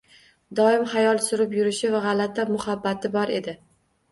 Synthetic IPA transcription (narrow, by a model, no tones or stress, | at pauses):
d̪ɒɪmχajɒlˠsʊɾɪpjʊɾɪʃɪvaʁɑlat̪ʰamʊhabːat̪ʰɪbɒɾe̞d̪ɪ